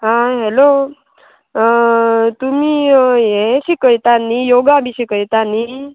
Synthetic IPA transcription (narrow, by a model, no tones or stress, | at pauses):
ɦãɦelo | t̪umiːjẽsikəjt̪anijoɡabʱiɕikəjt̪ani